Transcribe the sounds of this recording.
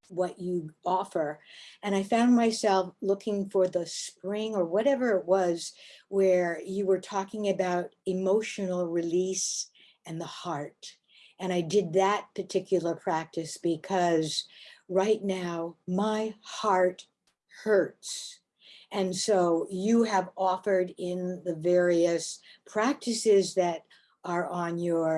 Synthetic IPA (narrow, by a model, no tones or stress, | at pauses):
wʌt͡ʃɨɔfə˞ɨ̃ɾ̃aɪfãʊ̃nmaɪsɛlˠflʊkʰɪ̃ŋfə˞ðəspɹɪ̃ŋə˞wʌɾɛvə˞ɨt̚wʌzwə˞jɨwə˞tʰɔkɪ̃ŋɨbaʊɾɨmoʊʃɨnl̩ˠɹɪlis | ɨ̃nðəhɑɹt | ɨ̃ɾ̃aɪdɨd̪̚ðɨt̚pʰə˞tʰɪkʰjl̩ˠə˞pʰɹ̥æk̚tɨsb̥ɨkʰʌzɹaɪtⁿnaʊmaɪhɑɹt̚ | hɜ˞ts | ɨ̃nsoʊjɨɨvɔfə˞ɾɪ̃nðɨvɛɹiɨspʰɹ̥æk̚tʰɨsɪzðɨɾ | ə˞ʔə̃njə˞